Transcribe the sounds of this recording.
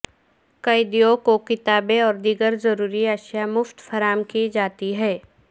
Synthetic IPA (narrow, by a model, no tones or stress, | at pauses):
kɐɪd̪ijokokɪt̪aːbeɔːɾd̪iːɡəɾzɐɾuːɾiɐʃjamʊft̪fɐɾaːmkid͡ʒaːt̪iɦɛː